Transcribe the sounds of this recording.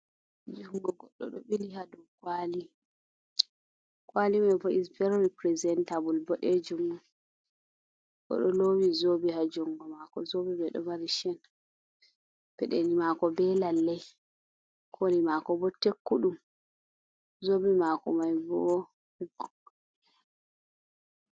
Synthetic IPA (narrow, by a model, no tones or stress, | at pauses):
d͡ʒuŋɡɔɡɔɗːɔ̰ɗɔɓilihadɔwkwali | kwalimajvɔʔisbɛɾɾipɾɛzɛntabulbɔɗɛd͡ʒuŋɡɔ | ʔɔ̰ɗɔlowizobihad͡ʒɔŋɡɔmakɔzobibɛɗɔ̰maɾiʃɛn | b̥ɛɗenimakɔbɛlalːɛj | kʰolimakɔbɔtekːuɗum | zobimakɔmajbɔɔ